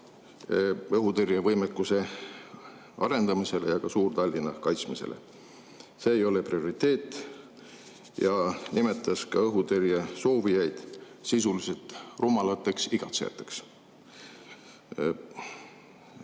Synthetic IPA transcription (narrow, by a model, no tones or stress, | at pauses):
ɤɦut̪erjevɤjmekːˑuse̞ | ɑɾe̞nd̪̥ɑmise̞le̞jɑkɑsuːrt̪ɑlʲːinɑkɑjt̪smise̞̰lʔe̞̰ | se̞ːjo̞le̞prio̞ɾit̪e̞ːt̪ːˑ | jɑnime̞t̪ːˑɑskɑɤɦut̪erjeso̞ːvijɑjd̪̥ | sisulise̞t̪ːˑrumɑlɑt̪ːˑe̞ksiɡ̥ɑt̪sḛɑ̰t̪ːˑeks